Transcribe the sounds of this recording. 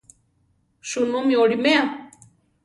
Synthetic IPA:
ʃunumioɽimea

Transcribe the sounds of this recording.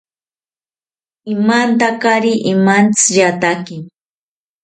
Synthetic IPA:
ɪmant̪akaɾiʔɪmant͡sɪ̥jat̪akɪ

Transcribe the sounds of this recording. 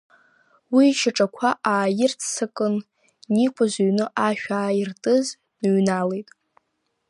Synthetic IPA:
wit͡ʃʰaʈ͡ʂʼakʷʰaʔaːjɪrt͡sʰt͡sʰakʼɨn | nikʷʰazuɥnɨʔaʃᶣaːjɪrtʼɨz | nɥnalejtʼ

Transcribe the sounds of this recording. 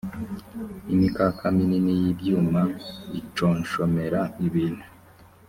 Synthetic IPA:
imikakʰamininijibjuːmait͡ʃoːnʃo̞me̞ɾaiβiːn̥u̥

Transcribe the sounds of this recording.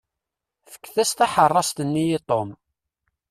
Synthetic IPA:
fə̥kːθæst̪aħərˤːɑst̪ənːijit̪ˤom

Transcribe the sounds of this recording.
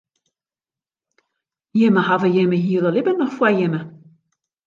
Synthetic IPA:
jɪməɦavəjɪməɦiːərdəlɪbənːɔxfwajɪmə

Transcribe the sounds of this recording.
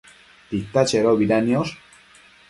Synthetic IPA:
t̪it̪ːat͡ʃeɾoβiɾanios

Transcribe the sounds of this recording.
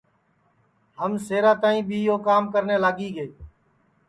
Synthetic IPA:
həmseːɾaːt̪aːĩːbʱiːjoːkaːmkəɾneːlaːɡiːɡeː

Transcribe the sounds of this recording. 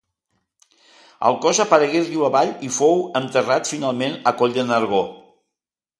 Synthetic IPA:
ə̰lˠkɔzəpəɾəɣeriwəβaʎifowənt̪ərat̪finalˠmenəkɔʎd̪ənəɾɣo

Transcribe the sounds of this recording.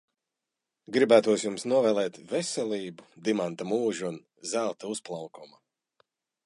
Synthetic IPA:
ɡɾibæːt̪uɔsjumsnuɔvɛːlˠɛːt̪vɛsɛliːbud̪imant̪amuːʒun | zælˠt̪ausplˠawkumɐ

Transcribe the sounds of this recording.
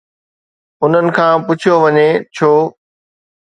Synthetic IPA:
ʊn̤ənɪ̆kʰãːpʊt͡ɕʰijoʋɐɲet͡ɕʰoː

